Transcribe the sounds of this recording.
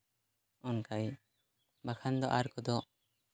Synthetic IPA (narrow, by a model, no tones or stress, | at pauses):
ɔnkaj | bakʰand̪ɔʔaɾkɔd̪ɔ